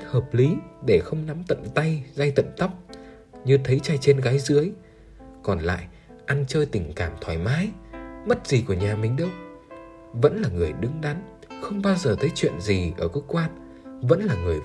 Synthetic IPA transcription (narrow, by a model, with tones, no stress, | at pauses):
həː˨˩p̚li˨˦ɗe˧˩xə˧wŋ͡mna˨˦mt̪ə̰˧˨nt̪a˧jza˧jt̪ə̰˧˨nt̪a˦˥wk͡p̚ | ɲɨ˧t̪ʰə˨˦jt͡ɕa˧jt͡ɕe˧nɣaː˨˦jzɨ˨˦əj | kɔ˨˩nla̰ː˧˨j | ʔa˧nt͡ɕəː˧jt̪ï˨˩ŋ̟kaː˧˩mt̪ʰwaː˧˩jmaː˨˦jmə˦˥t̚z̥i˨˩ku˧˩əɲaː˨˩mï˨˩ŋ̟ɗə˧w | və̰˧˥nlaː˨˩ŋɨ˨˩əjɗɨ˨˦ŋɗa˨˦n | xə˧wŋ͡mɓaː˧wzəː˨˩t̪ʰə˨˦jt͡ɕwḭ˧˨ənzi˨˩ʔəː˧˩kɨ˧˦kwaː˧n̚ | və̰˧˥nlaː˨˩ŋɨ˨˩əj